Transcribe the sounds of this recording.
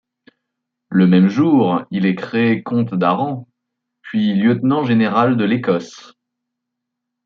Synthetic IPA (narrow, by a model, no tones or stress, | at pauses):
ləmɛmʒuʁilɛkχeːkɔ̃t̪d̪aʁɑ̃ | pɥiljət̪nɑ̃ʒeneʁald̪əlekɔs